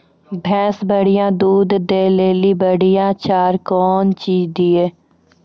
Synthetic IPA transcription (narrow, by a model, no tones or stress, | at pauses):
bʱɛ̃ːsbəɽɪjãːd̪uːd̪ːeːleːlibəɽijãːt͡ʃaːɾkɔːnt͡ʃiːd̪ieː